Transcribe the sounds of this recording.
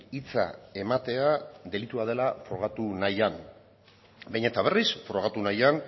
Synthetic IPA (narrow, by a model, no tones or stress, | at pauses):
it͡sa̰e̞mat̪e̞ad̪e̞lit̪uað̞e̞lafɾo̞ɣat̪unajan | bejɲe̞t̪aβ̞e̞risfɾo̞ɣ̞at̪unajan